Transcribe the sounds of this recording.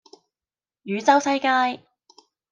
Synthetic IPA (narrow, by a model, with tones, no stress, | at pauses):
jyː˨˧t͡sɐ˥wsɐ˥jkaː˥j